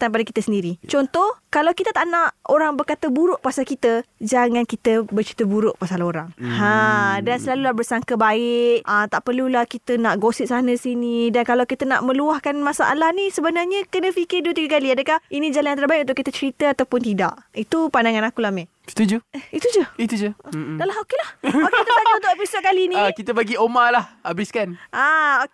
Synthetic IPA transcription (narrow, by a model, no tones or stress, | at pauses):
t̪anpadakit̪əsəndiɾit͡ʃɔnt̪ɔhkalawkit̪ət̪aʔnaʔoɾaŋbərkat̪əbuɾʊʔpasalkit̪əd͡ʒaŋãnkit̪əbət͡ʃɾi̥t̪əbuɾʊʔpasaloɾaŋhadansəlalulahbərsaŋkəbaɪʔət̪aʔpərlulahkit̪ənaʔɡosɪtʔ̚sanəsinidankalawkit̪əna̰ʔmə̃luahkanmasa̰ʔa̰lahnisəbənarɲəkənə̃fikɪrduwət̪iɡəkaliadəkahinĩd͡ʒalanjant̪ərbaiʔ̚unt̪ʊʔkːit̪ət͡ʃəɾit̪əat̪awpʊnt̪ida̰ʔit̪upandaŋanakulahme̥ | t̪ud͡ʒuit̪ud͡ʒəit̪ud͡ʒədalaɦokelahoket̪aɲaunt̪ʊʔepisot̪̚kalinĩkit̪əbaɡiomalahabɪskanʔaok